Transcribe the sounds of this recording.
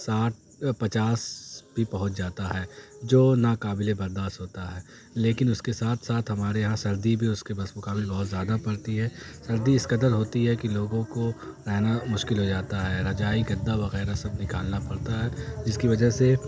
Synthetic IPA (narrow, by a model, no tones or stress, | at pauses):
saːʈ̚ | pɐt͡ʃaːsbʱipɐɦʊt͡ʃd͡ʒaːt̪aɦɛːd͡ʒoːnakaːbɪlebɐɾd̪aːʃt̪ɦoːt̪aɦɛː | leːkɪnʊskesaːt̪ʰsaːt̪ʰɦɐmaːɾeɦãsɐɾd̪ibʱiʊskebɐsmʊkaːbɪlbɐɦʊt̪zjaːd̪apɐɽt̪iɦɛːsɐɾd̪iɪsqɐd̪əɾɦoːt̪iɦɛkiloːɡõkoɾɛɦnamʊʃkɪlɦod͡ʒaːt̪aɦɛɾɐd͡ʒaːiɡɐd̪ːaʋɐɣɛːɾasɐb̚nɪkaːlnapɐɽt̪aɦɛd͡ʒɪskiʋɐd͡ʒəɦse